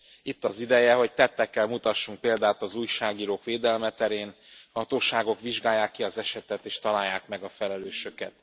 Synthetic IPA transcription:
it̪ːɒzid̪ɛjɛɦo̞c̚t̪ɛt̪ːɛkːɛlmut̪ɒʃːuŋk̚peːld̪aːt̪ɒzuːjʃaːɡiːɾoːkʋeːd̪ɛlmɛt̪ɛɾeːnhɒt̪oːʃaːɡo̞kʋiʒɡaːjːaːkːiɒzɛʃɛt̪ɛt̪eːʃt̪ɒlaːjːaːkmɛɡɒfɛlɛløːʃø̞kɛt̪

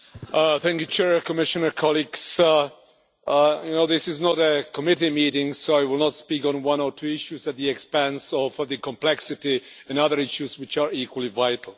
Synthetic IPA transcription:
θæ̃ŋkjut͡ʃʰɛɹkʰɔmɪʃɨnə˞kʰɔlˠiɡs | junoʊðɪsɪznɔɾəkʰɔmɪɾimiɾɪ̃ŋsoʊaɪwɪlˠnətspikɔ̃nwʌ̃nɔtʰuɪʃuzɨt̪̚ðiɛkspæ̃nsɔvðɨkʰɔ̃mpl̥ɛksɪti | ɛ̃nʌðə˞ɪʃuzwɪt͡ʃə˞ikwəlˠivaɪtl̩ˠ

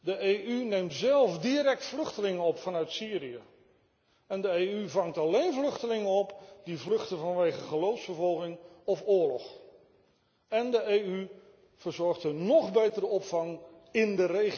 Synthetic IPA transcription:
dəejʔynejmtzɛlˠfdiɾɛk̚tflɵχtəlɪŋənɔpfɑnœɥtsiːɾiə | ɛndəeːyvɑŋtɑlejnvlɵχtəlɪŋənɔpdivlɵχtəvɑnʋejχəχəlowfsfəɹvɔlˠχɪŋɔfʊːɹlɔχ | ɛndəejy | v̥əɹzɔɹχtənɔχbejtəɾəɔpfɑŋ | ɪndərej

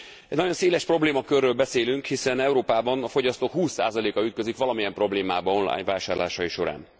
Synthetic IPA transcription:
ɛɟnɒɟo̞nseːlɛʃpro̞bleːmɒkørːøːlbɛseːlyŋkhisɛnɛuɾoːpaːbɒnɒfo̞ɟɒst̪oːkhuːsːa̰ːzɒleːkɒyt̪køzikʋɒlɒmijɛmpro̞bleːmaːbɒonlɒ̰a̰ːɲvaːʃaːrla̰ːʃɒjiʃo̞ɾa̰ːn

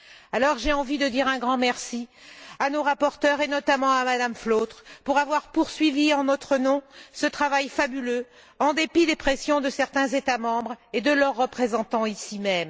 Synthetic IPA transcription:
alɔʁʒeɑ̃vid̪əd̪iʁɛ̃ɡʁɑ̃mɛʁsianoʁapɔʁt̪œʁenɔt̪amɑ̃amad̪amflot̪χpuʁavwaʁpuʁsɥiviɑ̃nɔt̪χənɔ̃sət̪χavajfabylø | ɑ̃d̪epid̪epχesjɔ̃d̪əsɛʁt̪ɛ̃zet̪amɑ̃bʁed̪əlœʁːəpχezɑ̃t̪ɑ̃isimɛm

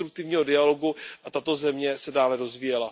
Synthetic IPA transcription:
t̪ɾuk̚t̪ɪvɲiːɦo̞dɪalo̞ɡuʔat̪at̪o̞zɛmɲɛsɛdaːlɛɾo̞zvijɛla

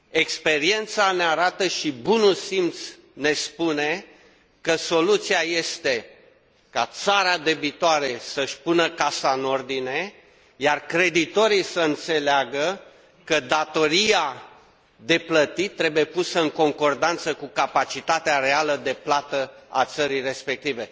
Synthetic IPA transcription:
e̞kspe̞ɾie̞nt̪saneaɾat̪əʃibunulsimt̪s | ne̞spune̞ | kəso̞lut̪siaje̞st̪e̞ | kat̪saɾad̪e̞bit̪oaɾe̞səʃʲpunəkasaɨno̞rd̪ine̞ | jarkɾe̞d̪it̪o̞ɾisəɨnt̪se̞leaɡə | kəd̪at̪o̞ɾia | d̪e̞plət̪it̪ːɾe̞buje̞pusəɨŋko̞ŋko̞rd̪ant̪səkukapat͡ʃit̪at̪eaɾe̞aləd̪e̞plat̪əa̰t̪səɾijre̞spe̞k̚t̪ive̞

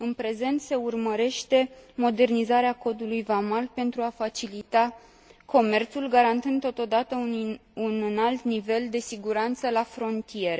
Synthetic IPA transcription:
ɨnpɾe̞ze̞nt̪se̞urməɾe̞ʃt̪e̞mo̞d̪e̞rnizaɾeako̞d̪ulujvamalpe̞nt̪ɾuafat͡ʃilit̪a | kʰo̞me̞rt̪sulɡaɾant̪ɨnd̪t̪ːo̞t̪o̞d̪at̪əunnalt̪nive̞ld̪e̞siɡuɾant̪səlafɾo̞nt̪ije̞ɾe

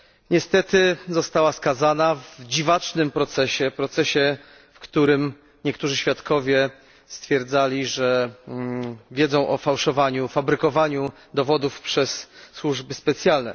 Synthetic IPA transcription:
ɲɛst̪ɛt̪ɘzɔst̪awaskazanavd͡ʑivat͡ʂnɘmpɾɔt̪sɛɕɛpɾɔt̪sɛɕɛ | fkt̪uɾɘm | ɲɛkt̪uʐɘɕfʲjat̪kʰɔvʲjɛ | st̪fʲjɛɾd̪zalʲiʐɛ | vʲjɛd̪zɔ̃w̃ʔɔfawʂɔvaɲufabɾɘkɔvaɲu | d̪ɔvɔd̪ufpʂɛsːwuʐbɘspɛt̪sʲjalnɛ̰

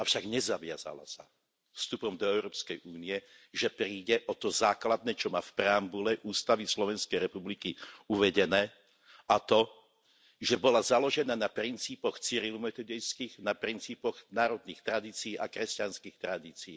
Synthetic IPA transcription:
afʃaɡɲɛzaʋɪa̰za̰la̰sa | fst̪upɔmd̪ɔɛʊɾɔːpskɛjʔuːniɛ | ʒɛpɾiːɟɛʔɔt̪ɔzaːklad̪̚nɛːt͡ʃɔmaːfpɾɛambulɛʔuːst̪aʋislɔʋɛnskɛjɾɛpublikiuʋɛɟɛnɛː | at̪ɔ | ʒɛbɔlazalɔʒɛnaːnapɾint͡siːpɔxt͡siɾilumɛt̪ɔd̪ɛjskiːɣnapɾint͡siːpɔɣnaːɾɔd̪niːxt̪ɾad̪iːt͡siiːʔakɾɛscanskixt̪ɾad̪iːt͡siː

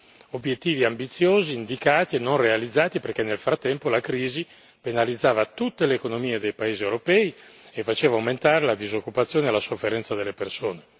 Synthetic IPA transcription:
objet̪ːiːviambit̪sːjoːziːnd̪ikaːt̪ienːonrealid̪zːaːt̪iperkenːelfɾat̪ːɛmpolakɾiːzi | penalid̪zːaːvat̪ut̪ːeleːkonomiːed̪ejpaeːziewɾopɛːiefat͡ʃeːvawment̪aːɾelad̪izokːupat̪sːjoːnealasofːeɾɛnt̪sad̪elːepersoːne

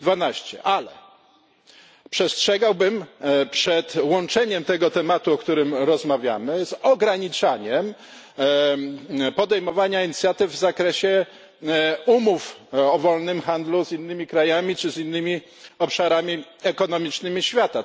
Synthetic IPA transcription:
d̪vanaɕt͡ɕɛ̰ʔalɛ | pʂɛstʂɛɡawbɘmpʂɛt̪wɔnt͡ʂɛɲɛmt̪ɛɡɔt̪ɛmat̪uɔkt̪uɾɘmɾɔzmavʲja̰mɘzɔɡɾaɲit͡ʂaɲɛm | pɔd̪ɛjmɔvaɲaiɲit̪sʲjat̪ɘvvːzakɾɛɕɛ | umufɔvɔlnɘmxand̪luzinːɘmʲikɾajamʲit͡ʂɘzinːɘmʲi | ɔpʂaɾamʲiɛkɔnɔmʲit͡ʂnɘmʲiɕfʲjat̪a

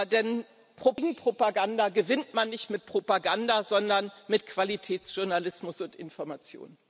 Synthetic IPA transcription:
dɛn | pʁ̥oɡŋ̩pʁ̥opaɡandaɡəvɪntmanːɪçtmɪt̚pʁ̥opaɡandazɔndɐnmɪtkv̥alitʰɛːtt͡sʒ̥ʊɐnalɪsmʊsʊntʔɪ̰nfɔɐmat͡sjo̰ːn

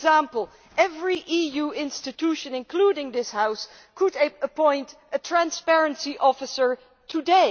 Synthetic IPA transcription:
zæ̃mpl̩ˠ | ʔɛvɹiʔijuɪ̃nstɨtʰuʃɨ̃nɨ̃nkʰl̥uɾɪ̃ŋðɪshaʊs | kʰəɾəpʰɔ̃ɪ̃nt | ɨtʰɹ̥æ̃nspɛɹɨ̃nsiʔɔfɨsə˞ | tʰɨdeɪ

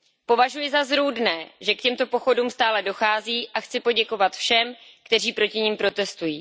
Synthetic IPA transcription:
po̞vaʒujɪzazɾuːdnɛːʒɛkcɛmt̪o̞po̞xo̞duːmst̪aːlɛdo̞xaːziːʔaxt͡sɪpo̞ɟɛko̞vat̪fʃɛmkt̪ɛr̝iːpɾo̞cɪɲimpɾo̞t̪ɛst̪ujiː

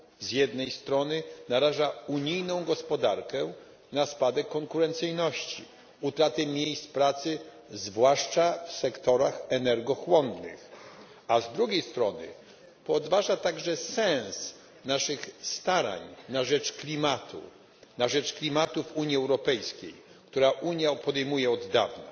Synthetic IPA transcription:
zjɛd̪nɛjst̪ɾɔnɘnaɾaʐauɲijnɔ̃w̃ɡɔspɔd̪aɾkɛ | naspad̪ɛkːɔŋkuɾɛnt̪sɘjnɔɕt͡ɕḭ | ut̪ɾat̪ɘmʲjejst̪pɾat̪sɘ | zvwaʂt͡ʂafsɛkt̪ɔɾaxɛnɛɾɡɔxwɔnd̪nɪ̰x | azd̪ɾuɡʲejst̪ɾɔnɘ̰ | pɔd̪vaʐat̪aɡʐɛsɛ̃s | naʂɘxst̪aɾa̰ɲnaʐɛt͡ʂklʲimat̪ʰṵ | naʐɛt͡ʂklʲimat̪ufuɲjiɛwɾɔpɛjskʲḛj | kt̪uɾaʔuɲjapɔd̪ɛjmujɛɔd̪ːa̰vna̰

